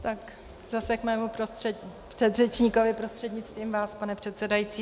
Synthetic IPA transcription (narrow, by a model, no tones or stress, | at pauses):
t̪ak | zasɛkmɛːmupɾosɛpr̥ɛd̪rɛt͡ʃɲiko̞vɪpɾo̞st̪r̥ɛdɲɪt͡st̪viːmvaːspanɛpr̝̥ɛt̪sɛdajit͡siː